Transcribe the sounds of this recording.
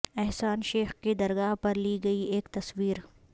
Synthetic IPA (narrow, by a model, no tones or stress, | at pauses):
ɛɦsaːnʃeːxkid̪ɐɾɡaːɦpɐɾliɡɐieːkt̪ɐswiːɾ